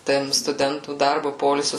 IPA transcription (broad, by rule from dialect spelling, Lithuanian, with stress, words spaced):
ˈtɐm stʊˈdʲɛntuː ˈdɐrbʊ ˈpoːɪlʲsʲʊ